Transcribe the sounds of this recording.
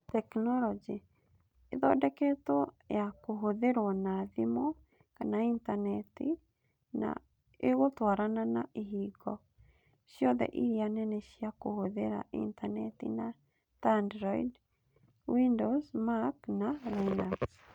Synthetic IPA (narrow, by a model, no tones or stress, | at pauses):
tɛknɔlɔd͡ʒi | eðɔdɛkɛto | jakoɦoðeɾwɔnaðimo | kanaintanɛti | na̰ | eɣotwaɾananaʔeɦiɡɔ | ʃiɔðɛ̰ʔiɾianɛnɛʃiakohoðeɾa̰ʔḭntanɛtḭna | tandɾɔid | windosmaknalana